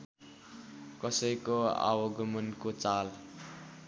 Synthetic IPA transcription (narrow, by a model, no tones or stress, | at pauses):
kʌsʌjkoa̰wʌɡʱʌmʌnkot͡sal